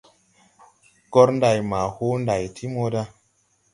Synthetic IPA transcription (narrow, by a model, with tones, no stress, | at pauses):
ɡɔ˦ɾnda˨jma˨ho˦nda˨jtʰi˦mo˧da˧